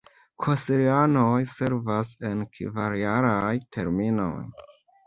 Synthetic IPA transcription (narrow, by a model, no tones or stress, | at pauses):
kʰosiɾiano̞jse̞ɾvase̞nkʰḭvaɾjaɾajtʰe̞̰ɾmino̞̰j